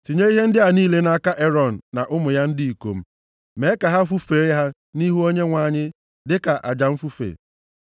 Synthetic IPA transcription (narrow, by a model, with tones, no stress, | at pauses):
ti˨ɲe˦i˦ɦe˦n̩˦dɪ˦a˨niː˦le˦na˦ka˦ʔe˦ɾɔ˨n̩˨na˨ʔʊ˦mʊ˨ja˦n̩˦di˦i˨ko̰˨m̩˦ | me˨˦ka˨ɦa˦fu˦fe˨˦ɦa˦ | ni˦ɦu˦o˦ɲe˦ŋʷa˨ɲɪ˦ | dɪ˦ka˨ʔa̰˨d͡ʒa˨m̩˦fu˦fḛ˨